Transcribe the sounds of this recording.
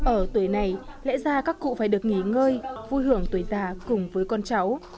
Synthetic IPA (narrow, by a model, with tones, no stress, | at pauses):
ʔəː˧˩t̪wu˧˩ə˦jna˨˩jlɛ̰˧˥zaː˧kaː˦˥kːṵ˧˨faː˧˩jɗɨ˨˩ək̚ŋi˧˩ŋəː˧jvu˧jɦɨ˧˩əŋt̪u˨˩əjzaː˨˩kʊ˨˩ŋ͡mvəː˨˦jkɔ˧nt͡ɕa˨˦w